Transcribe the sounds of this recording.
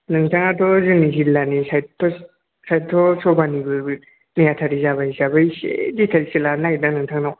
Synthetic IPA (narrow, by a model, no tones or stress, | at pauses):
nɯŋtʰaŋatʰɔzɯŋnizilːanisajtʰɔ | sajtʰɔsɔbanibɯ | najatʰaɾizaβajzabajsḛditʰalisilanajdanɯŋtʰaŋnaw